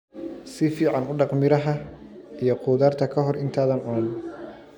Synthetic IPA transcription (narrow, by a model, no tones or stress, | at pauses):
sɪfiːʕɑnʊɖɑqmɪɾɐɦɐ | ijɔqʊːðaːrt̪ʰɐkʰɐɦɔrɪnt̪ʰaːðɐnʊnɐn